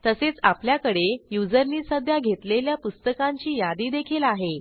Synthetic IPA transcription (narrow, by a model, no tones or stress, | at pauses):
t̪əset͡sapljakəɽejud͡zəɾniːsəd̪ʱjaɡʱet̪leljapust̪əkaɲt͡ɕiːjad̪iːd̪ekʰilaɦe